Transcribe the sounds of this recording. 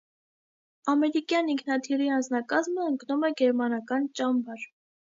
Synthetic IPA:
ɑmɛɾikjɑniŋkʰnɑt̪ʰiɾiɑnd͡znɑkɑzməəŋknumɛɡɛɾmɑnɑkɑnt͡ʃɑmbɑɾ

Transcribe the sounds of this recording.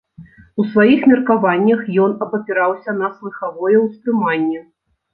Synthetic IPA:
usvajixmʲɛrkavanʲːɐxjɔn̪ɐpɐpʲiɾawsʲɐn̪ɐslˠɨxavɔjɛwst̪ɾɨmanʲːɛ

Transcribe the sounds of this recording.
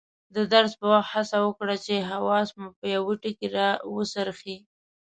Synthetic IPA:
d̪əd̪aɾzpəwaxt̪hasawəkɽat͡ʃeɦawɑsmupəjawiʈikeɾɑwəsaɾxi

